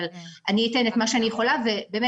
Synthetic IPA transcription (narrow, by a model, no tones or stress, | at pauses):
laniːte̞netmaʃeanijeχo̞lavebeːme